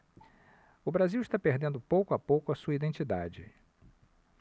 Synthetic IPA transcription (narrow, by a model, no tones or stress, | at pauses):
ʊbɾaziwist̪apeɾd̪ẽnd̪ʊpowkʊapowkʊɐsuɐid̪ẽt͡ʃid̪a̰d͡ʒɪ